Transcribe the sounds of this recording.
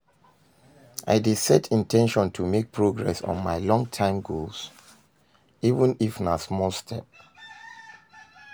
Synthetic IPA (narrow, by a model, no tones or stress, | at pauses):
ʔa̰ɪdisɛtʰĩntʰɛ̃nʃɔ̃ntʰumek̚pʰɹoɡɹɛsɔ̰̃nmaɪlɔ̃ŋtʰãɪ̃mɡols | ivə̃nifnasmɔlˠstʰɛp̚